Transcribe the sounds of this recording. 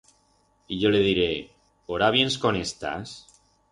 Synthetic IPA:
iʝoleðiɾe | oɾaβ̞je̞nskonest̪a̰s

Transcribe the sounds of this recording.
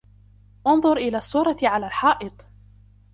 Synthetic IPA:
ʔʊnðˤʊɾʔɪlaːsːuːɾˤɑʕalaːlħɑːʔɨt̪ˤ

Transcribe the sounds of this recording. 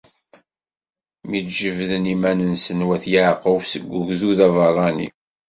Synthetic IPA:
midd͡ʒəvðənimænənsənwæθjəʕqəwsəɡʷːʊʝðuðævərˤːɑnḭ

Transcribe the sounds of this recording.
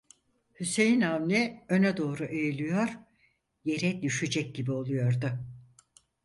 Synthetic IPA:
hyse̞jinamnʲiønɛd̪o̞ːɾuʔejilʲijoɾ̥ | je̞ɾɛd̪yʃyd͡ʒɛc̚ɟibio̞lˠujo̞ɾd̪ʊ

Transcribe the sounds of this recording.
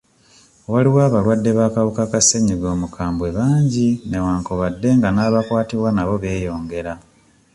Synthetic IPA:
waliwaːβalwadːe̞βaːkawukakaseɲiɡo̞ːmukʰaːmbwe̞βaːɲɟine̞waːŋkoβadːe̞ŋɡanaːβakwaːtiβwanaβo̞βe̞ːjo̞ːŋɡe̞ɾa

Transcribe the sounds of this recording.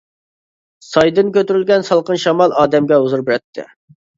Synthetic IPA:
sɑjd̪ɨnkʲʰøt̪yɾylɡʲɛnsɑlˠqənʃɑmɑlˠɑːd̪ɛmɡʲɛuzuɾbɪɾɛt̪ʰːɪ̰

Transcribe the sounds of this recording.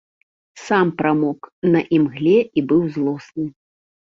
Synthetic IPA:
sampɾamɔknɐʔimɣlʲɛibɨwzlˠɔsnɨ

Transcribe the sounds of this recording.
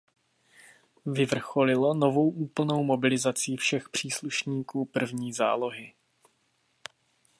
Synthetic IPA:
vɪvr̩xo̞lɪlo̞novo̞wʔuːpl̩no̞wmo̞bɪlɪzat͡sifʃɛxpr̝̥iːsluʃɲiːkuːpr̩vɲiːza̰ːlo̞ɦɪ

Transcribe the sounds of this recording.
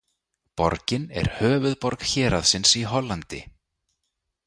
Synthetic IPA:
pɔ̰ɾcɪnɛ̰ɾ̥hœːvʏðpɔɾkçɛːɾaðsɪnsiɦɔlːant̪ɪ̰

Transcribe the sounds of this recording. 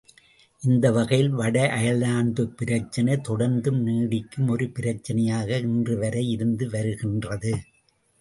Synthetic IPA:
ʔɪnd̪ɐʋɐɣɐjɪlʋɐɽɐʔɐjɐlaːnd̪ɯpɪɾɐt͡ʃːɐnɐɪt̪ɔɽɐɾnd̪ɯmniːɽɪkːɯmɔɾɯpɪɾɐt͡ʃːɐnɐjaːɣɐɪndrɯʋɐɾɐɪɪɾɯnd̪ɯʋɐɾɯɣɪndrɐðɯ

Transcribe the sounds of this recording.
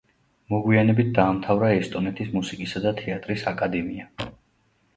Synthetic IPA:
mɔɡwianɛbit̪̚d̪aːmt̪ʰavɾaɛst̪ʼɔnɛt̪ʰismusikʼisad̪at̪ʰɛat̪ʼɾisakʼad̪ɛmia

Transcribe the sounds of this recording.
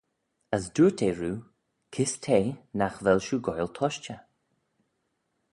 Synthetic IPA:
əsduːtʰeːɹuː | kʰɪstʰeːnaxvɛlʃuːɡɔjlt̪ʰɔʃt͡ʃə

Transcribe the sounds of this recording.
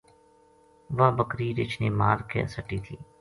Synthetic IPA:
ʋaːbəkɾiːɾɪt͡ʃʰneːmaːɾkʰḛsəʈːiːt̪ʰiː

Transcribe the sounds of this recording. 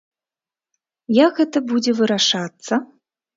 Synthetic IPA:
jakɣɛt̪ɐbud͡zʲɛvɨɾaʂat̪sːɐ

